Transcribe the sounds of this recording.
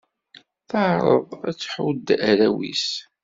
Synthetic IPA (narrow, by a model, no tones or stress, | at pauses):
θəʕɾˤə̰ðˤæ̰t͡sːħwd̪æɾæwḭs